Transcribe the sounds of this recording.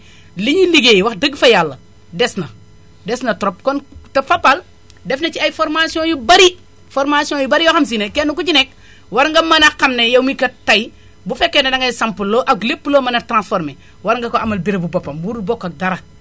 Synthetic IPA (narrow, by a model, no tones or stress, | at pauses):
liɲiliɡejwaxdəɡfɐjalːɐ | desnɐ | desnɐtɾop̚kontɐfapːal | defnɐt͡ʃiajfoɾmasiõjubaɾi | foɾmasiõjubaɾijoxams̬inekenukuɟinek̚ | waɾŋɡɐmanakːamnejɐmikɐtːaj | bufekːenɐdaŋɡajsampulːoʔaklepːuloːmanɐtɾãnsfoɾme | waɾŋɡɐkoamɐlbiɾebubopːɐmwuɾbokːak̚daɾa